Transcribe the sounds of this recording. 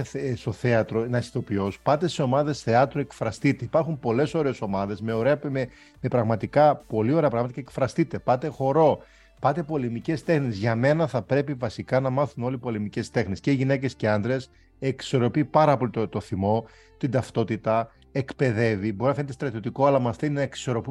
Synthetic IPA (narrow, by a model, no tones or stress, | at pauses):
st̪o̞θe̞ɐt̪ɾo̞nɐsi̥θo̞pio̞spɐt̪e̞seo̞mɐðe̞sθe̞ɐt̪ɾue̞kfɾɐst̪it̪e̞ipɐɾxumpo̞le̞so̞ɾeːso̞mɐðe̞zme̞o̞ɾe̞ɐme | mepɾɐɣmɐt̪ikɐpo̞lio̞ɾeɐpɾɐɣmɐt̪ɐcekfɾɐst̪it̪e̞pɐt̪e̞xo̞ɾo̞ | pɐt̪e̞po̞lemice̞st̪e̞xnezʝɐme̞nɐθɐpɾe̞pivɐsikɐnɐmɐθuno̞lipo̞lemice̞st̪e̞xnesceiʝine̞ce̞sce̞ɐnd̪ɾe̞s | ekso̞ɾo̞pipɐɾɐpo̞lit̪t̪o̞θimo̞ | t̪ind̪ɐft̪o̞t̪it̪ɐ | e̞kpe̞ðe̞vibo̞ɾinɐfnet̪est̪ɾɐt̪io̞t̪iko̞ɐlɐmɐft̪eninɐeksi̥so̞ɾo̞pu